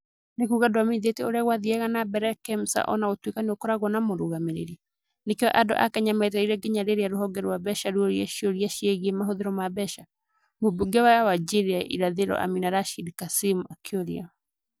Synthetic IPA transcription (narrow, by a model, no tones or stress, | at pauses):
nekuɣadoamenðeteoɾeaɣwaðiɛɣanabɛɾɛkɛmsa̰ʔɔ̰naɣotwekaneokɔɾaɣwɔnamoɾoɣameɾḛɾia | nekeɔʔado̰ʔakɛɲamɛt̬ɛiɾɛɡeɲaɾeɾeaɾoɦɔɡɛɾwabɛʃaɾuoɾiaʃioɾiaʃiɛɣiemaɦoðeɾɔmabɛʃa | mobuɡɛwajawad͡ʒeɾiaʔḭɾaðeɾɔ̰ʔa̰minaɾaʃidkasimuakʰeoɾia